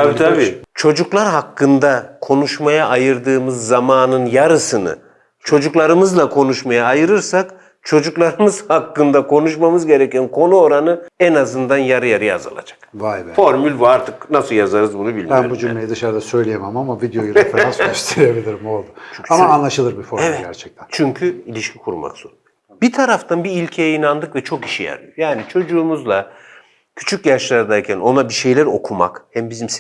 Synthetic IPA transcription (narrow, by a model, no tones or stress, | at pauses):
abit̪ʰabiːt͡ʃʰo̞d͡ʒuklˠaɾɦakːɯnd̪akʰo̞nuʃmajaʔajɯɾd̪ɯːmɯzːamaːnɯnjaɾɯsɯnɯ̰ | t͡ʃʰo̞d͡ʒuklˠaɾɯmɯzlˠakʰo̞nuʃmajaːjɯɾɯɾsak | t͡ʃʰo̞d͡ʒuklˠaɾɯmɯz̥hakːɯnd̪akʰo̞nuʃmamɯzɟe̞ɾɛcænkʰo̞nuoɾanɯɛnazɯnd̪anjaɾɯjaɾɯja̰za̰lˠa̰d͡ʒḁkvajbɛfo̞ɾmylʲbuaɾt̪ʰɯknasɯlˠjazaɾɯzbunubilʲmænbud͡ʒym̰lʲejid̪ɯʃaɾd̪asø̞jlʲejemamamavid̪ejojuɾefeɾansøʃt̪ʰeɾebilʲiɾimo̞lˠd̪ut͡ʃʰoamaːnlˠaʃɯlˠɯɾbifoɾɛvyɛɟ̪æɾt͡ʃʰɛ̥k̚t̪ʰænt͡ʃʰyɲcʰyilʲiʃcʲʰikʰuɾma̰kz̥oɾun | b̥it̪ʰaɾaft̪ʰanbiilʲcʰejɛinand̪ɯkvɛt͡ʃʰoki̥ʃijæ̰ɾmʲijjaːnit͡ʃʰo̞d͡ʒuːmuzlˠa | cʰy̥t͡ʃʰycjaʃlˠaɾd̪aːcʲʰæno̞nabiʃe̞jlʲæɾo̞kʰuma̰khɛmbizims